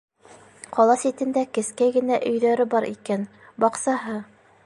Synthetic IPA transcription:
qʰɒlˠɑsit̪ɘ̆nd̪ækɘ̆skæɡɘ̆næʔɵ̆jðæɾɘbɑɾʔḭkæn | bɑqsɑɦɤ

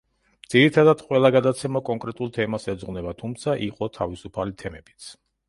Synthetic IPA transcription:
d̪z̥iɾit̪ʰad̪ad̪̥qʼwɛlˠaɡad̪at̪sʰɛmakʼɔŋkʼɾɛt̪ʼulˠt̪ʰɛmasɛd̪zʁwnɛbat̪ʰumt̪sʰaʔiqʼɔt̪ʰavisupʰalit̪ʰɛmɛb̥it̪sʰ

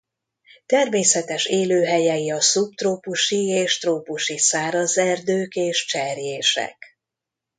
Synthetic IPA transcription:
t̪ɛrmeːsɛt̪ɛʃeːløːɦɛjɛiɒsup̚t̪roːpuʃieːʃt̪roːpuʃisaːɾɒzɛrd̪øːkeːʃt͡ʃɛrjeːʃɛ̰k

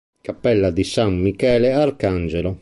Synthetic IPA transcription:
kapːɛlːad̪isamːikɛːlɛarkand͡ʒɛlo

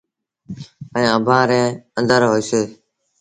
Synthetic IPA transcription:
ə̃əbʱãːɾẽːənd̪əɾɦoːiːseː

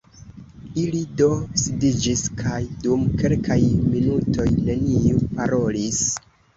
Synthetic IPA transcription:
ilido̞sidid͡ʒiskʰajdumke̞lkʰajminutʰo̞jne̞niupaɾo̞lis

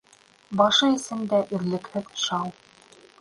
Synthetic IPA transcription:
bɑʃɤisɘmd̪æʔĭɾlɘ̆khɘðʃɑw

